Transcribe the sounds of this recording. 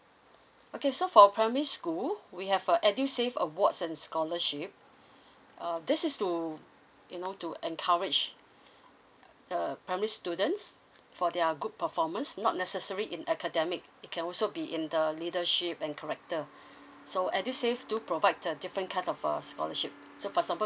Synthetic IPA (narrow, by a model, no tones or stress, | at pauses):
okesofɔpʰɹamɛɹiskulwihɛvəʔɛdjusefə̰wɔtsɛ̃nskɔləʃip̚ | ʌdɪsɪstu | junotuʔɛ̃nkʰaɹɪd͡ʒ | dəpɹaɪmɛɹistudə̃nts | fɔdɛɡud̚pəfɔmə̃nsnɔ̰t̚nɛsəsəɹiʔĩnɛkʰədɛmɪk̚ɪt̚kʰɛ̃nɔlsobiʔĩndəlidəʃipɛ̃nkʰəɹɛk̚tə | soʔɛdjuseftupʰɹovaɪtədifɹə̃nkʰãɪ̃tɔfə̰skɔ̰ləʃip̚ | sofɔɛɡzãmpə